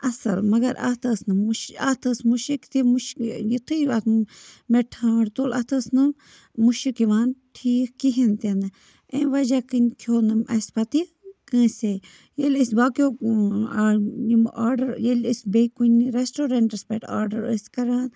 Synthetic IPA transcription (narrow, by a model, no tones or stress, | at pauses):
ɐsɐlmɐɡɐɾa̰ːt̪ʰɐːsnɨmuʃat̪ʰɐsmuʃikt̪imuʃjit̪ʰɨat̪meʈʰãːɽt̪oːlʔɐt̪ʰɐsnɨ | muʃikiʋaːnʈʰiːkkiɦint̪enɨ | ẽːʋɐd͡ʒakɨnkʰjoːnɨmʔɐsʲpɐt̪i | kə̃ːse | jelʲəsbaːkʲoːaimʔaːɾɖɐɾjelisʲbekuniɾesʈoːɾɐɳʈɐspeʈa̰ːɾɖɐɾə̰skɐɾaːn